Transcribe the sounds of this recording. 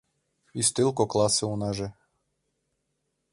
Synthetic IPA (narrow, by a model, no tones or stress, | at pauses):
ist̪ɪlˠkɔklˠasɛunaʒɛ